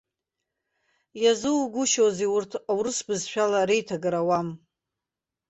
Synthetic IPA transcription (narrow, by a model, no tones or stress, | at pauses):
jazɨwɡʷʊʃozeurtʰawɾɨsbɨzʃᶣalaɾejtʰaɡaɾawam